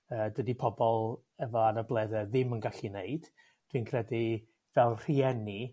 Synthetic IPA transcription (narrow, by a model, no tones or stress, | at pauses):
əːdədipʰɔbɔlˠ | ɛvɔanəblˠɛðɛðɪmənɡaɬineɨd̥ | d̥winkʰrɛdi | vɛlˠr̥iɛni